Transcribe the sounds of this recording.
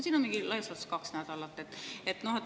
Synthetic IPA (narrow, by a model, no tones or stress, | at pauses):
siːnomiŋɡilɑisʋɑskɑksnæd̪ɑlɑt̪ːet̪et̪nohet̪